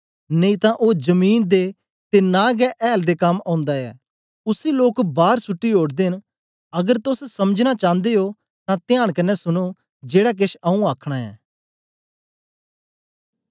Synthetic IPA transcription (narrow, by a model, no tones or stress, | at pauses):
nəĩt̪ãʔoːd͡ʒəmiːnd̪e | t̪enaːɡɛːʔɛːld̪ekɐmãʊ̃nd̪aɛ̰ː | ʊsiloːkbaːɾsʊʈːiɦoːɽd̪ɪn | ɐɡəɾt̪ʊssɐməd͡ʒnat͡ʃãːnd̪eːɦoː | t̪ãːt̪ɪjaːɽ̃kɐnːɛsʊñoː | d͡ʒeːɽak̬ɪʃaũaːkʰɽ̃aːɛ̰ː